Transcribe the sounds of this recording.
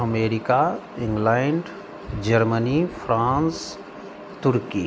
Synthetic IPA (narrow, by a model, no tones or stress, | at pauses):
əmeːɾɪkaɪ̃ŋɡlaɳɖ | d͡ʒəɾmənifʰɾãːns | t̪ʊɾki